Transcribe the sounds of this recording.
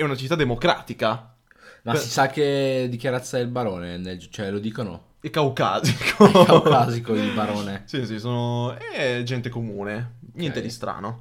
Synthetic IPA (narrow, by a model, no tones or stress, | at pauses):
ɛunat͡ʃit̪ːad̪emokɾa̰ːt̪ika | massisakːed̪ikjaɾat̪sːaɛlbaɾoːneneld͡ʒt͡ʃoɛlod̪iːkono̰ | ilkauka̰ːzikʰokakaːzikoilbaɾoːnesisisoːnoɛd͡ʒɛnt̪ekomuːnenjɛnt̪ed̪ist̪ɾa̰ːno